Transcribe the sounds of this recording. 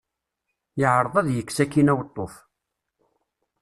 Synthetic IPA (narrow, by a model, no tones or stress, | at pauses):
jəʕɾˤəðˤæðjəkːsækːinæwət̪ˤːoθ